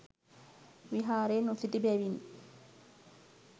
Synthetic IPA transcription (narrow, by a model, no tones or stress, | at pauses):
wiɦaːɾɛnɔsitibɛwin